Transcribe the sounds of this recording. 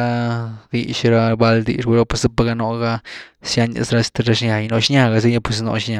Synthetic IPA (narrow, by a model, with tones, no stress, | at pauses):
a˧d̪i˧ʃɾa˧ba˧ld̪ḭ˧ʂbu˧ɾa˧pe˧sɨ˦pa˧ɡa˧no˧ɡa˧sja˧ɲa̰˧sɾa˧si̥˧t̪a˧ɾa˧ʂɲa˨jno˧˦ʃɲa˧ɡa˧s̬i˦ɲa˦˧pwe˧s̬no̰˧ʃɲa˧